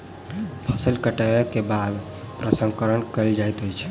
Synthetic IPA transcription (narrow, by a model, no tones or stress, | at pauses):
pʰəsəlkəʈəkebad̪ | pɾəsə̃ŋɡkəɾənkəɪld͡ʒajt̪ojt͡ʃʰ